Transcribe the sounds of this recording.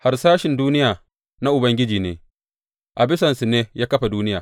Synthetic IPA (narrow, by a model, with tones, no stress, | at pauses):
ha˦rsaː˦ʃɪ˨nduː˦nɪ˦jaː˨ | na˦ʔʊ˨bɐ˦ŋɡʲɪ˦d͡ʒiː˨nḛː˨ | ʔa˨bɪ˦sɐ˨nsu˨neː˦jaː˦kɐ˦ɸa˨duː˦nɪ˦jaː˨